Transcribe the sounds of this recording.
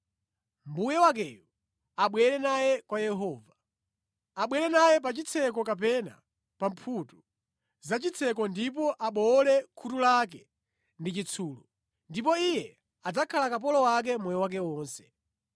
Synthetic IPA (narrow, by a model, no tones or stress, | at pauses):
m̩bujɛwak̬ɛju | aɓwɛɾɛnajɛkwajɛɦɔːva | aɓwɛɾɛnajɛp̬at͡ʃit͡sʰɛk̬ɔkap̬ɛna̰ | pam̩pʰutu | zat͡ʃit͡sʰɛkɔndip̬ɔʔaɓɔlɛkʰutulak̬ɛ | ndit͡ʃit͡sʰuːlu | ndipɔijɛ | ad͡zakʰalakap̬ɔlɔwak̬ɛmujɛwak̬ɛwɔːnsɛ̥